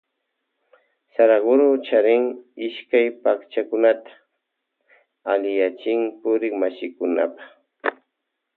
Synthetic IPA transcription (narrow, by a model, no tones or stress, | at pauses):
saɾaɢʊɾot͡ʃaɾɪŋɪʃkajpakt͡ʃakʊnat̪ḁ | alɪjat͡ʃɪŋpʊɾɪŋmasɪkʊna̰pɑ̥χ